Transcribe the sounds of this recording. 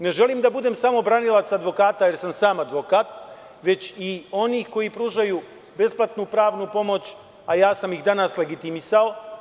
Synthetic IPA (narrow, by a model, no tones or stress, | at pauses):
ne̞ʒe̞liːmd̪abud̪e̞ːmsamo̞bɾanilˠat̪sad̪ʋo̞kaːt̪aje̞ɾsamsaːmad̪ʋo̞kaːt̪ | ʋe̞t͡ɕio̞niːxko̞jipɾuːʒaju | be̞splˠat̪nupɾaːʋnupo̞mo̞t͡ɕ | ajaːsamixd̪anasle̞ɡit̪imisao